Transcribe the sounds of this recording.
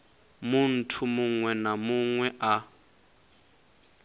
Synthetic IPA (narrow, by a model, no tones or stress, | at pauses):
mun̩tʰumuŋwɛnamuŋwɛʔa